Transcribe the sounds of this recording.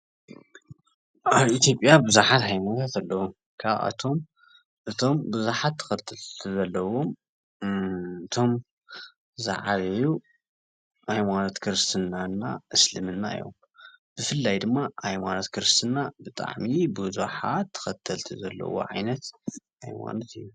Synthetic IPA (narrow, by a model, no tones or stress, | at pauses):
ʔaβit̪ʰjo̞pʼjabɨzuħat̪hajmat̪ʰat̪alːɐwu | kʰaβa̰t̪ʰom | ʔɨt̪ʰo̞mbɨzuħat̪ʰːɐ̥xɐt̪ʰːɨlt̪ʰɨzɐlːɐwo̞m | ɨt̪ʰo̞m | za̰ʕaβeju | ʔajmanot̪kʰɨɾɨst̪ʰɨnanːaʔɨslɨmɨnːa̰ɨ̰jo̰m | b̥ɨfɨlːajd̪ɨmːahajmanot̪kʰɨɾɨst̪ʰɨnːabɨt̪ʼa̰ʕmibɨzuħat̪ʰːɨ̥xɐt̪ʰːɐlt̪ʰizɐ̰lːɐ̰wo̰ʕa̰jnɐt̪ha̰jma̰not̪ɨjːu